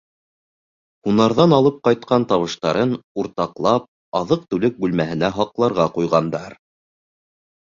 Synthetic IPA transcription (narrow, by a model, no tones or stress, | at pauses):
hunɑɾðɑnɑlˠɤp̚qɑjt̪̚qɑnt̪ɑβɤ̆ʃt̪ɑɾɤnuɾt̪ɑqlˠɑp̚ | ɑðɤq̚t̪ʉlɘk̚bʉlmæɦɘ̆næɦɑqlˠɑɾʁɑqujʁɑnd̪ɑɾ